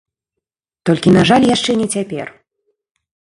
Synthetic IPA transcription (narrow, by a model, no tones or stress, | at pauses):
t̪ɔlʲkʲinaʐalʲjaʂt͡ʂɛnʲɛt͡sʲapʲɛ̰r